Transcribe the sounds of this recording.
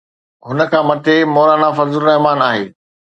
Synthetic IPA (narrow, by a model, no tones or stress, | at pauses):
ɦʊnə̆kʰãːmɐt̪ʰemoːɾaːnafɐzʊlnɐɦmaːnaːɦeː